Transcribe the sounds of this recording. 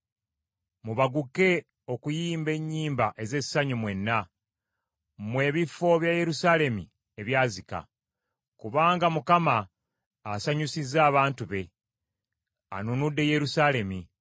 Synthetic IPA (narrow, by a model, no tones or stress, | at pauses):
muβaɡuke̞ | o̞kujiːmbe̞ɲːiːmbaʔe̞ze̞sːaɲumwe̞nːa | mwe̞ːβifo̞βjaje̞ɾusale̞mi | e̞βjaːzika̰ | kuβaːŋɡamukamaː | saɲusizaːβaːntuβe̞ | a̰nunudːe̞je̞ɾusale̞mi